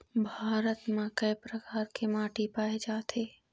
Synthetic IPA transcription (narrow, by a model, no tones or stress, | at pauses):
bʱaːɾət̪mẽkəjpɾəkaːɾkemãːʈipaːed͡ʒaːt̪ʰeː